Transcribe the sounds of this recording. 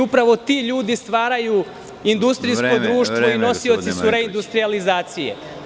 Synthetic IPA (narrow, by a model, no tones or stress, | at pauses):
upɾaʋo̞t̪iːʎuːd̪ist̪ʋaːɾajuː | ind̪ust̪ɾisko̞d̪ɾuːʃt̪ʋo̞ino̞tsio̞t̪sisuɾe̞ind̪ust̪ɾializaːt̪sijḛ